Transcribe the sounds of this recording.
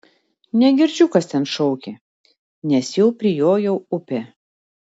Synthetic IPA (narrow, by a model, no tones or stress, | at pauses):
nʲɛɡʲɪɾʲd͡ʒʲʊkɐst̪ʲɛnʃɔʊkʲe | nʲɛsjɛʊpʲɾʲɪjoːjɛʊʊpʲe